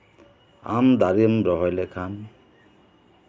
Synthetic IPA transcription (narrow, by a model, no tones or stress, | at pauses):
a̰md̪aɾiʌmbɾʌɦʌjlekʰan